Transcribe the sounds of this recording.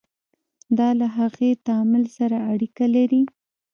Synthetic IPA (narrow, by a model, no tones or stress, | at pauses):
d̪ɑlaɦaɣet̪ɑmɪlsaɾaːɽikalaɾi